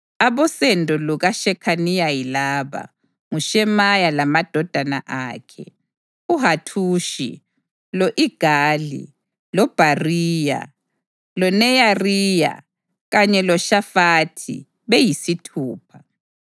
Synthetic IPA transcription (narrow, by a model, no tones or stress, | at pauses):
aβɔsɛndʱɔluɣaʃɛkʰanijajilaːβa̰ | ŋuʃɛmajalamad̥ʱɔd̥ʱanaʔaːkʰɛ̰ | uɦatʰuʃḭ | lɔʔiɡ̥ʱaːlḭ | lɔb̥ʱariːja̰ | lɔnɛjariːja̰ | ɣaɲɛlɔʃafaːtʰḭ | βejisitʰuːpʰa